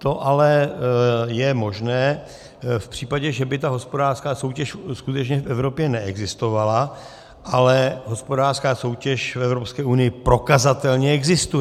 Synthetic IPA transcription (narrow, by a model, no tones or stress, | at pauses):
t̪o̞ʔalɛ | jɛmo̞ʒnɛː | fpr̥iːpaɟɛʒɛbɪt̪aɦo̞spo̞daːr̥skaːsowcɛʃskut̪ɛt͡ʃɲɛfʔɛvɾo̞pjɛnɛʔɛɡzɪst̪o̞vala | ʔalɛɦo̞spo̞daːrskaːso̞wcɛʃfɛvɾo̞pskɛːʔunɪjɪpɾo̞kazat̪ɛlɲɛɛɡzɪst̪ujɛ